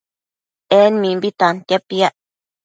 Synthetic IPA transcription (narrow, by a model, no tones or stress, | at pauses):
enmĩmbit̪ant̪japiaʔ